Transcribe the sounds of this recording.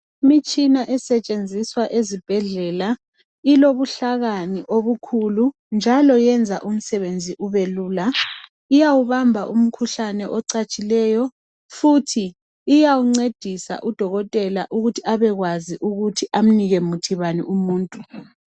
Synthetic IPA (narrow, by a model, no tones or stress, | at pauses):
imit͡ʃʼinaʔɛsɛt͡ʃʼend͡zʱiswaʔezib̥ʱɛɮɛla | iloβuɬaɣaniʔoβukʰulu | nd͡ʒʱalɔjɛnd͡zʱaʔum̩sɛβend͡zʱiʔuβeluːla | ijawuβambʱaʔum̩kʰuɬanɛʔɔǀat͡ʃʼilɛːjɔ | futʰiː | jawuŋ͡ǀed̥ʱisa̰ʔud̥ʱɔɣɔtʼɛla̰ʔuɣutʰiaβɛɣwaziʔuɣutʰiʔam̩niɣɛmutʰiβaniumuːntʼu